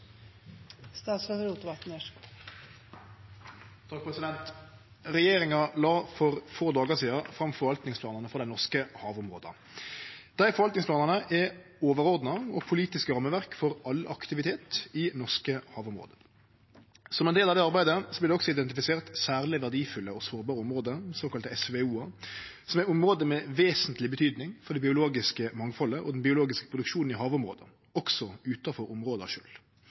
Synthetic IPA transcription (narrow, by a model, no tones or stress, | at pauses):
st̪ɑːt̪sfɑd̪ɾuːt̪ʊʋɑt̪n̩ə | t̪ʰɑk̚pʰʁɛsɪd̪ɛnt̪ | ʁɛjeːɾɪŋɑlɑːfɔʁfoːd̪ɑːɡəsiːɑfʁɑmfɔʁʋɑlt̪nɪŋsplɑːnəʁnəfɑd̪æɪnɔʁskəhɑːʋʊmʁoːd̪ə̰ | d̪̥æɪfɔɾʋɑlt̪nɪŋspʰlɑːnəʁnəʔɛ | oːʋəɾɔʁd̪nɑɔpʰʊliːt̪ɪskəɾɑmːəʋæʁkfɔʁɑlɑkt̪ɪʋɪt̪ʰeːt̪ɪnɔʁskəhɑːʋʊmʁo̰ːd̪ə | sɔmɛnd̪eːlɑʋd̪ɛɑɾbæɪd̪əsɔblɪʁd̪ɛɔksɔɪd̪ɛnt̪ɪfɪseːʁt̪sæːʁlɪʋæʁdiːfʉlːəɔsoːʁbɑːɾəɔmʁoːd̪əsoːkɑlt̪əɛsʋɛuːɑ | sɔmæʊmʁoːd̪əmɛʋeːsənt̪lɪbət̪ʰyːd̪nɪŋfɔʁɖ̪ɛbɪʊloːɡɪskəmɑŋfɔlːəʔɔd̪n̩bɪʊloːɡɪskə̥pʰʁʊd̪ʉkʂuːnn̩ɪɦɑːʋʊmʁo̰ːd̪ə̰ | ɔksɔʉːt̪ɑfɔʁʊmʁoːd̪əɑ̰ʃø̰ːl